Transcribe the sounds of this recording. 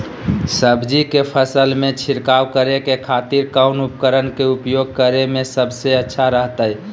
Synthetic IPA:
səbd͡ʒikepʰəsəlmẽt͡ʃʰiɾkawkəɾekekʰat̪iɾkaʊnupkəɾənkeupjoɡ̚kəɾemẽsəbseətːʃʰaɾəɦt̪əj

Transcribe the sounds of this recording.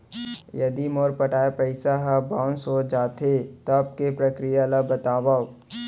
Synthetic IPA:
jɐd̪imoːɾpɐʈaːepɛɪsaɦabãʊ̃nsod͡ʒaːt̪ʰet̪oɐb̚kepɾɐkɾijalabɐt̪aːwa

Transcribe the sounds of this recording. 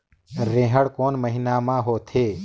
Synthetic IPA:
ɾẽːɦəɽkoːnməɦɪnaːmãːɦoːt̪ʰeː

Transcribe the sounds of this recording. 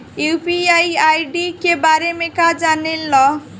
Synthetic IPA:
upiajajɖikebaɾemekad͡zanelːʌ

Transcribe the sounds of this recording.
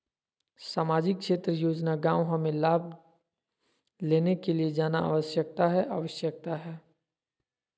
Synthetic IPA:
saːmaːd͡ʒɪkːʃeːt̪ɾəjoːd͡ʒnaɡãːwɦɐmẽlaːb̚ | leːnekelied͡ʒaːnaa̰ːʋəʃjək̚t̪aɦɛʔaːʋəʃjək̚t̪aɦɛː

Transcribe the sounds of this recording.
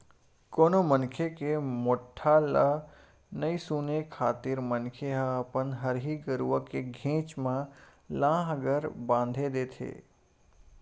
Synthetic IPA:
koːnomənkʰekemoːʈʰːalə | nəisunekʰaːt̪ɪɾmənkʰeɦapənɦəɾɦiɡəɾuʋəkeɡʱẽːt͡ʃmãlãːɦəɡəɾbãːn̆d̪ʱed̪eːt̪ʰḛː

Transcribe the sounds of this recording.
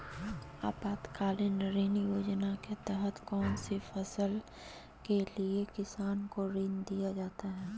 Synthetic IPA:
a̰ːpaːd̪kaːlenəɾiːnjoːd͡ʒnaket̪ɛɦət̪kɔːnsifʰɐsəl | keliekɪsaːnkoɾind̪ijad͡ʒaːt̪aɦɛː

